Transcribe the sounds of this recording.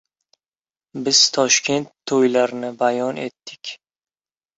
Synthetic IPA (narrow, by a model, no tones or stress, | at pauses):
bɪz̥t̪ʰɒʃkʲʰe̞nt̪ʰːojlaɾnɪbajɒne̞̰t̪ːɪkʲ